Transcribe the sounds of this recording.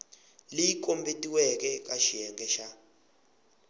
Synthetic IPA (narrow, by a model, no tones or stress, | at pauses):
lijik̬ʼombetʼiwɛkɛkʼaʃijɛŋɡɛʃa